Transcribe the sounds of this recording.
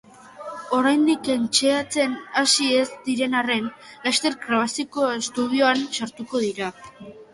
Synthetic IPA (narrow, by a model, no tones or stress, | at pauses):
o̞ɾajnd̪ike̞nt͡ʃe̞at͡se̞nasie̞zd̪iɾe̞nare̞nlast̪e̞ɾɡɾaβ̞asiko̞e̞st̪uð̞ioansaɾt̪uko̞ð̞iɾa